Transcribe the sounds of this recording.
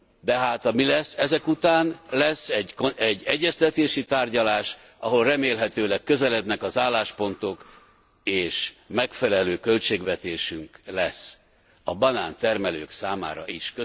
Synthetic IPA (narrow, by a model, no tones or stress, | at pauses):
d̪ɛɦaːt̪ɒmilɛsːɛzɛkut̪aːnlɛsːɛɟkɛɟːɛɟːɛst̪ɛt̪eːʃit̪aːrɟɒlaːʃ | ɒɦo̞lrɛmeːlɦɛt̪øːlɛkːø̞zɛlɛd̪nɛkɒzaːlːaːʃpo̞nt̪ok | eːʃmɛkfɛlɛløːkø̞lt͡ʃeːɡʋɛt̪eːʃyŋklɛsː | ɒbɒnaːnt̪ɛrmɛløːksaːma̰ːɾɒ̰ʔiʃkø